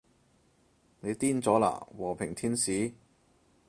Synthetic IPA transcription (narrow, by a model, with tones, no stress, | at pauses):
ne˨˧jt̪iː˥nt͡sɔː˨˥la̰ː˨˩wɔː˨˩pʰɪ˨˩ŋt̪ʰiː˥nsiː˨˥